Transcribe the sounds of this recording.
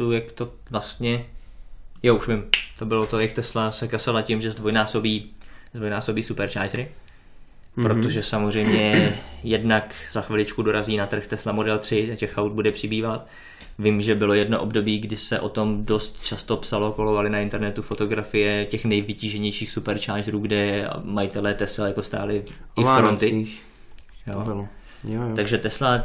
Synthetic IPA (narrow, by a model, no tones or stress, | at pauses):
ujakt̪o | vlast̪ɲɛ | jaːuʃvɪmt̪o̞bɪlot̪ojakt̪ɛslasɛkasalacɪmʒɛzdvojnaːso̞biːzd̪vojnaːsobiːsupɛɾt͡ʃaːʒɾɪ | pɾot̪o̞ʒɛsamozr̝ɛjmɲɛjɛdnakz̥axvɪlɪt͡ʃkudo̞ɾaziːnat̪r̩xt̪ɛslamo̞dɛlt̪r̝̥ɪacɛxawd̪̚budɛpr̝̥ɪbiːvat̪ | vɪmʒɛbɪlo̞jɛdno̞ʔo̞bdo̞biːɡdɪsɛʔo̞t̪o̞mdo̞st̪t͡ʃast̪o̞psalokolovalɪnaɪnt̪ɛɾnɛt̪ufo̞t̪o̞ɡɾafɪjɛcɛxnɛjvɪciːʒɛɲɛjʃiːxsupɛɾt͡ʃaːʒɾuːɡdɛmajɪt̪ɛlɛːt̪ɛslɛjakost̪a̰ːlɪɪffɾont̪ɪ | jo | t̪aɡʒɛt̪ɛsla